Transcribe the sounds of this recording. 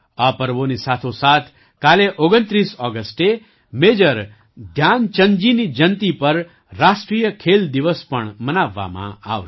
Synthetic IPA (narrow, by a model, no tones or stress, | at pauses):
apəɾʋonisat̪ʰosaːt̪ʰ | kaleʔoɡənt̪ɾisɔːɡəsʈe | meːd͡ʒəɾ | d̪ʱjant͡ʃə̃nd͡ʒinid͡ʒənt̪ipəɾː | asʈɾijəkʰeld̪iʋəspəɳmənaʋːa̰mã̰a̰ʋ